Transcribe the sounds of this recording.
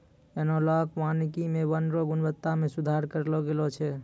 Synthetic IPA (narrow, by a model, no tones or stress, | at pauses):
ɛnɔlakʋanikimeʋənɾɔɡunbət̪ːamesud̪ʱaɾkəɾlɔɡelɔt͡ʃʰɛ